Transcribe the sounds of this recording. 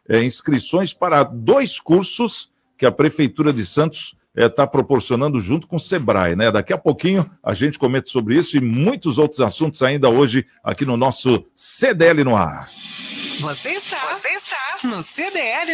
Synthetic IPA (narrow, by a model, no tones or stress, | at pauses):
ɛĩskɾisõj̃spaɾɐd̪ojskuɾsʊs | kɪɐpɾefejt̪uɾɐd͡ʒ̪ɪsɐ̃nt̪ʊ̥s | ɛt̪apɾopoɾsionɐ̃nd̪ʊʒũt̪ʊ̥kõsebɾa̰jnɛd̪akiɐpokĩɲʊa̰ʒẽnt͡ʃɪ̥kõmẽnt̪ɐ̥sobɾɪisʊɪmũj̃t̪ʊzowt̪ɾʊzasũnt̪ʊz̥aĩnd̪ɐoʒɪ | a̰kinʊnɔsʊsed̪eɛlɪnʊa̰ɾ | voseist̪avoseist̪anʊsed̪eɛlɪ